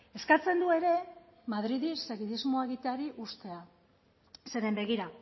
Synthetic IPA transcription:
e̞skat͡se̞nd̪ue̞ɾe̞maðɾiðise̞ɣiðizmo̞e̞ɣit̪eaɾiʔust̪e̞a | se̞ɾe̞mbe̞ɣ̞iɾa

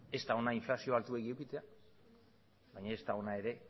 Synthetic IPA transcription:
e̞st̪ao̞naiɱflasio̞alt̪uekiewkit̪e̞a | bajɲae̞st̪ao̞nae̞ɾe̞

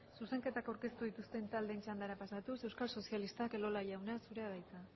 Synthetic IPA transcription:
suse̞ŋke̞t̪akawɾke̞st̪uðit̪ust̪e̞nt̪ald̪ent͡ʃand̪aɾapasat̪use̞wskalso̞sialist̪ake̞lo̞laʎawnasuɾeaðajt͡s̪a

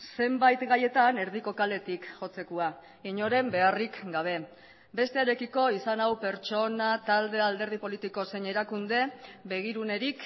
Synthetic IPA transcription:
se̞mbajt̪ɡaje̞t̪ane̞ɾðiko̞kale̞t̪ikʝo̞t͡se̞kua | iɲo̞ɾe̞mbe̞arikɡaβ̞e̞ | be̞st̪e̞aɾe̞kiko̞isanawpe̞ɾt͡ʃo̞nat̪ald̪e̞ald̪e̞ɾð̞ipo̞lit̪iko̞se̞ɲe̞ɾakund̪e̞be̞ɣ̞iɾune̞ɾik

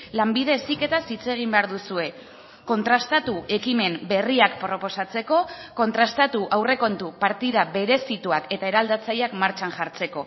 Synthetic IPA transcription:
lambið̞e̞sike̞t̪asit͡se̞ɣ̞imbe̞aɾðusue̞ | ko̞nt̪ɾast̪at̪uʔe̞kime̞mbe̞riakpɾo̞po̞sat͡se̞ko̞ko̞nt̪ɾast̪at̪uʔawre̞ko̞nt̪upaɾt̪iðaβe̞ɾe̞sit̪uake̞t̪ae̞ɾald̪at͡sajakmaɾt͡ʃanʝaɾt͡se̞ko̞

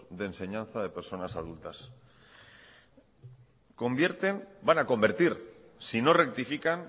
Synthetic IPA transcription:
ðe̞ːnse̞ɲãnθaðe̞pe̞ɾso̞nasað̞ult̪as | ko̞mbje̞ɾt̪e̞nbanako̞mbe̞ɾt̪iɾ | sino̞re̞k̚t̪ifikan

